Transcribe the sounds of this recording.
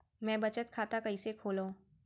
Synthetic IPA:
mɛ̃ːbɐt͡ʃət̪kʰaːt̪akɐisekʰoːloo

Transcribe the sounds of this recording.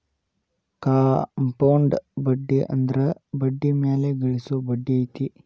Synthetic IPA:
kaːmpɐwɳɖbɐɖːiʔɐ̰nd̪ɐɾebɐɖːimeːleɡɐɭisubɐɖːiɐjt̪i

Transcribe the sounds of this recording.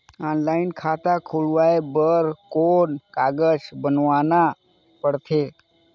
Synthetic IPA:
aːnlaːɪnkʰat̪akʰuɭʋaːebəɾkoːnkaːɡəd͡ʒbənʋaːna | pəɽt̪ʰe

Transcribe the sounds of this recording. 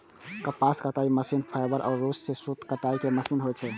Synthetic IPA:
kəpaskət̪aiməsinpʰajbəɾʔaːɾːossesut̪kəʈaikeməsinɦojt͡ʃʰɛ

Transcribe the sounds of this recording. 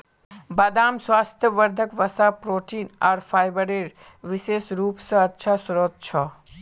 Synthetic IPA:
bad̪aːmswaːst̪ʰjəʋəɾd̪ʱəkʋɐsapɾoːʈiːnaːɾpʰaːjbəɾeɾ | ʋiseːsɾuːpsə̃ətːʃʰasɾoːt̪̚t͡ʃʰɔ

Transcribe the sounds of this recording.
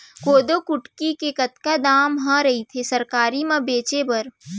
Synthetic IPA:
koːd̪okʊʈkikekɐt̪kad̪aːmɦãɾɐɦit̪ʰesɐɾkaːɾimãbeːt͡ʃebɐɾ

